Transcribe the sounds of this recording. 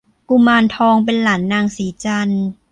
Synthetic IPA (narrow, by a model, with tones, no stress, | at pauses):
ku˧maː˧nt̪ʰɔː˧ŋp̬e˧nlaː˩˦nːaː˧ŋsiː˩˦t͡ɕa˧n